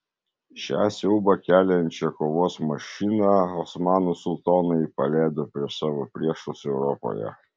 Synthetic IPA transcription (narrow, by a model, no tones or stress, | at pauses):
ʃʲɑ̰ːsʲɛʊbɐkʲæːlʲɛnʲt͡ʃʲɛkoːʋoːsmɐʃʲɪnɑɔsmɑːnusʊlˠt̪oːnɐɪpɐlʲæˑːd̪oːpʲɾʲiɛsɑːʋopʲɾʲiɛʃʊsɛʊɾɔpo̰jɛ̰